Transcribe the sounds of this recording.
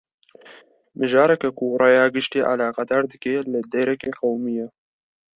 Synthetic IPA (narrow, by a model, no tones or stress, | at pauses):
mɨʒɑːɾɛkɛkuɾɑːjɑːɡɪʃt̪iːʔa̰lɑːqɑd̪ɑːɾd̪ɨkeːlɨd̪eɾɛkeːqawmijɛ